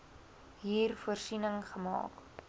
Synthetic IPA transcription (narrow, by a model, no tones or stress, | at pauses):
ɦiːrfuərsinəŋχəmɑ̰ːk